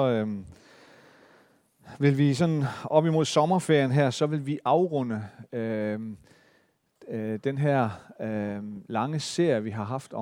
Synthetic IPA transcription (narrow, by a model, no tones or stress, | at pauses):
ɒ̽ | ʋe̝lʋis̬ɒ̽nɒ̽b̥imo̝ð̞̰ˠsɒ̽mɐfeɐ̰jənɦæɐ̰sɒ̽ʋe̝lʋiʔɑ̈ʊʁɔn̰əø | d̥enɦæɐ̰ | lɑ̈ŋəse̝ɐ̰jəʋiɦɑ̈ɦɑ̈fd̥ɒ